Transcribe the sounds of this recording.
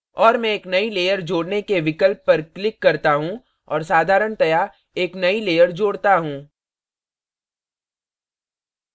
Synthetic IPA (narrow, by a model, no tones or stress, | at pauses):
ɔːɾmɛ̃eːknɐileːjəɾd͡ʒoːɽnekeʋɪkəlpːɐɾklɪkːɐɾt̪aɦũ | ɔ̰ːɾsaːd̪ʱaːɾəɽt̪ɐja | eːknɐileːjəɾd͡ʒoːɽt̪aɦũː